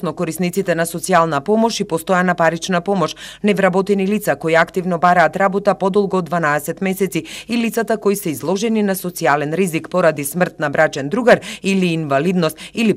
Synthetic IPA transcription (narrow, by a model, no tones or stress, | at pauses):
nɔkɔɾisnit̪sit̪ɛnasɔt̪sialˠnapɔmɔʃipɔst̪ɔjanapaɾit͡ʃnapɔmɔʃnɛvɾabɔt̪ɛnilit̪sakoiakt̪ivnɔbaɾaːt̪ɾabɔt̪apɔd̪ɔlˠɡɔːd̪vanaɛsɛt̪mɛsɛt̪siilit̪sat̪akoisɛizlˠɔʒɛninasɔt̪sialɛnɾizikpɔɾad̪ismr̩t̪̚nabɾat͡ʃɛnd̪ɾuɡaɾiliːnvalid̪nɔst̪ili